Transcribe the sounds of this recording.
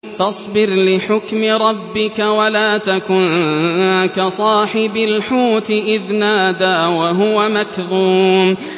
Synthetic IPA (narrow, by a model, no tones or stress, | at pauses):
fɑsˤbɪɾlɪħʊkmɪɾˤɑbːɪkawalaːt̪akʊn | kasˤɑːħɪbalħuːt̪ɪʔɪðnaːd̪aːwaɦʊwamakðuːm